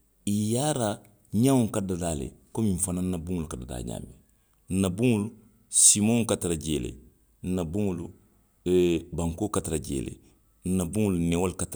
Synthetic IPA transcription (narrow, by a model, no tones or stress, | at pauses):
ijaːɾa | ɲawõŋkadadalḛkomĩɱfananːabuŋulukadada̰ːɲa̰ːme | n̩nabuŋulu | simõŋkataɾaɟeːlḛ | n̩nabuŋulu | baŋkoːkataɾaɟḛːlḛ | n̩nabuŋulunewolkat